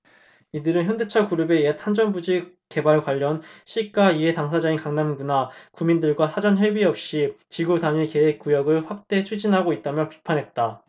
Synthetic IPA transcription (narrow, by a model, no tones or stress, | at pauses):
idɯɾɯnçjʌnde̞t͡ɕʰakuɾɯbe̞etʰand͡ʑʌnbud͡ʑi | ke̞baɭkwaʎːʌnɕʰik͈aiɦe̞taŋsʰad͡ʑainkaŋnanɡunakumindɯɭɡwasʰad͡ʑʌnɦebiʌp̚ɕ͈it͡ɕiɡudaɲike̞ɦek̚k͈ujʌɡɯɭɸwak̚t͈e̞t͡ɕʰud͡ʑinɦaɡoit̚t͈amjʌpi̥pʰanɦe̞t̚t͈a